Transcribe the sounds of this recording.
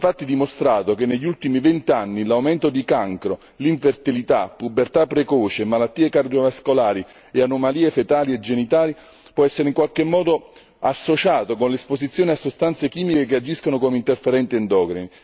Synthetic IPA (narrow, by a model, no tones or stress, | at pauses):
nfat̪ːid̪imost̪ɾaːt̪ok̟enːeʎːult̪imivɛnt̪eanːilawment̪od̪ikaŋkɾo | liɱfert̪ilit̪apːubːert̪apːɾekɔːt͡ʃemalat̪ːiːekard̪jovaskolaːɾi | eanomaliːefet̪aːlied͡ʒenit̪aːɾi | pwɔɛsːeɾeiŋkwalk̟emːɔːd̪o | asːot͡ʃaːt̪okonlespozit̪sjoːniasːost̪ant̪sekiːmikekead͡ʒiskonokomeint̪erfeɾɛnt̪iɛnd̪ɔːkɾini